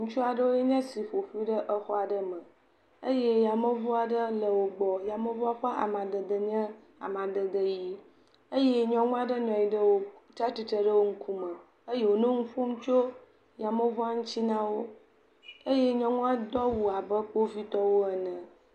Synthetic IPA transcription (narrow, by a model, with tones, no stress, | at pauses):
ŋũ˦t͡ʃu˦a˨ɖə˦wo˦je˦ɲɛ̃˦si˨ɸo˨ɸu˦i˦ɖə˦ʔə˦xɔ˦a˨ɖə˦mə̃˨ | ə˦je˦ja˨mə˦vɔ˦a˨ɖə˦lə˨wo˨ɡ͡bɔ˨ja˨mə˦vɔ˦a˦ɸa˦ʔa̰˨mã˨d̪ə˨d̪ə˨ɲ˦ə̃˦ | a̰˨mã˨d̪ə˨d̪ə˦ji˦ | ə˦je˦ɲɔ̃˦ŋũ˦a˨ɖə˦nɔ̃˨i˨ɖə˦wo˦t̪ɾa˦t̪i˨t̪ɾə˦ɖə˦wo˦ŋ̩˦kʰu˦mə˨ | ə˦je˦wo˨nõ˦ŋu˦ɸu˦m˦t͡ʃo˦ | ja˨mə˦va˦ŋũ˦t͡ɕi˦nã˦wo˦ | ə˦je˦ɲɔ̃˦ŋũ˦a˦d̪ɔ˦wu˨a˨bə˦ɸo˦vi˦t̪ɔ˦wo˦ɛ˨nə̃˨